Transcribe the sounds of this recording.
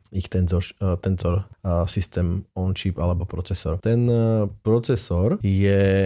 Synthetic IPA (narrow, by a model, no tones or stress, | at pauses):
ixt̪ɛnzɔʃt̪ɛnzɔɾsist̪ɛːmɔnʃipalɛbɔpɾɔt͡sɛsɔɾt̪ɛnpɾɔt͡sɛsɔɾjɛ